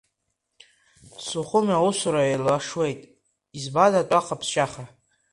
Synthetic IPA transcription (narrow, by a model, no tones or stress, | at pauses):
sʊχʷʊmausʊɾaelaʂwe̞jtʼ | izbadatʼaqʰapʰsʃʼaχa